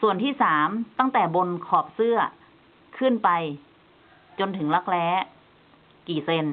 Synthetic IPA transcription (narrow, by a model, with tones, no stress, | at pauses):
su˨˩ənt̪ʰiː˥˩saː˩˦mt̪a˥˩ŋt̪ɛː˨˩bo˧nkʰɔː˧˩p̚sɯ˥˩ɐ | kʰɯ˥˩˨npa˧j | t͡ɕo˧nt̪ʰɯ˩˦ŋla˧˥k̚lɛː˦˧˥ | kiː˨˩se˧n